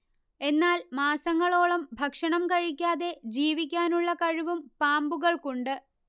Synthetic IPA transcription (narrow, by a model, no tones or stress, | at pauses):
e̞nːaːlmaːsɐŋːɐɭo̞ːɭɐmbʱɐkʂɐɳɐmkɐɻikʲːaːðe̞d͡ʑiːʋikʲːaːnuɭːɐkɐɻiʋumpaːmbuɣɐɭkuɳɖɨ